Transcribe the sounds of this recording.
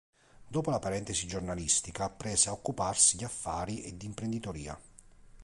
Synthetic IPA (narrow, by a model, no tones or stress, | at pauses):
d̪ɔːpolapaɾɛnt̪esid͡ʒornalist̪ikapɾɛːseaokːuparsid̪iafːaːɾiʔɛd̪ːiːmpɾend̪it̪oɾiːa̰